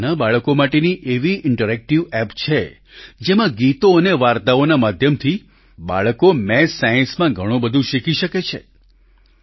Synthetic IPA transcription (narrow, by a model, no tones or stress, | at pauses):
nabaɭəkomaʈeniʔeʋiʔɪɳʈəɾɛk̚ʈiʋɛpt͡ʃʰe | d͡ʒemãɡit̪oəneʋaɾt̪aonamad̪ʱjəmt̪ʰi | ba̰ɭəkomɛsːajə̃nsmãɡʱəɽ̃õbəd̪ʱũʃikiʃəket͡ʃʰḛ